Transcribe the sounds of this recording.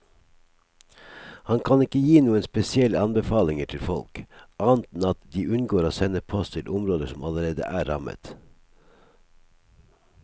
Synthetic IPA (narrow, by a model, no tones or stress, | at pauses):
hɑnkʰɑnɪkəjiːnuːənspɛsɪɛləɑnbəfɑːlɪŋəʈʰɪlfɔlkʔɑːnt̪n̩ɑt̪d̪iːʔʉnɡoːɾoːsɛnəpʰɔst̪ʰɪlʔʊmɾoːd̪əsɔmɑləɾeːd̪ə̰ʔæːɾɑ̰mə̰t̪